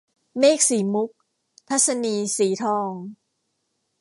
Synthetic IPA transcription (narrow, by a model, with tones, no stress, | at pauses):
meː˥˩k̚siː˩˦mu˦˥k̚ | t̪ʰa˦˥t̪̚sa˧niː˧siː˩˦t̪ʰɔː˧ŋ